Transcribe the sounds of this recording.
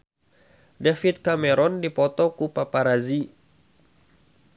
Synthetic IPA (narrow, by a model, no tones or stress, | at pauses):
dafit̪̚kamɛɾɔndipɔt̪ɔkupapaɾazi